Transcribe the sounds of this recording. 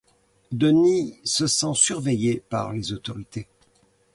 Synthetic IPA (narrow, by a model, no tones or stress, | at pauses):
d̪ənisəsɑ̃syʁvejepa̰ʁlezot̪ɔʁit̪e